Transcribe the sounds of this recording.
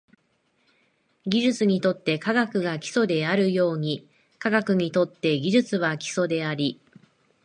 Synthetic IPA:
ɡʲiʑɨt͡sɨɲ̟it̪o̞t̪ːe̞kaɡakɯ̟ɡakʲi̥so̞d̪e̞aɾɯ̟jo̞ːɲ̟i | kaɡakɯ̟ɲ̟it̪o̞t̪ːe̞ɡʲiʑɨt͡sɨβakʲi̥so̞d̪e̞aɾʲi

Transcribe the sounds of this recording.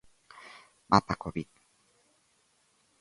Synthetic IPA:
mʔapakobit̪̚

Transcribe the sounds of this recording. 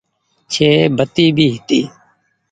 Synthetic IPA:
t͡ʃʰeːbʱət̪iːbʱiːɦɪt̪iː

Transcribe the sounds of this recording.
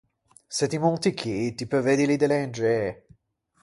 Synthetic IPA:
set̪imunt̪ikʰit̪ipɾeved̪ilid̪elɛnd͡ʒe

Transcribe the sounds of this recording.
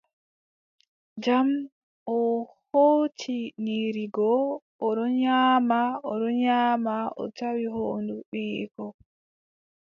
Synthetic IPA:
d͡ʒam | ʔɔhoːt͡ʃʰiniɾiɡɔʔɔɗɔɲaːmaɔɗɔɲaːmaʔɔ̰tawiɦoːnduɓiʔkɔ

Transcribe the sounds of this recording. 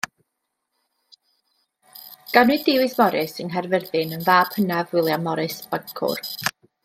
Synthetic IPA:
ɡ̥anidɪwɨsmɔɾʔɪsənɦɛrvərðɪnənðaːb̥hənavɪlˠjamˠɔɾɨsb̥aŋkʰʊ̰r

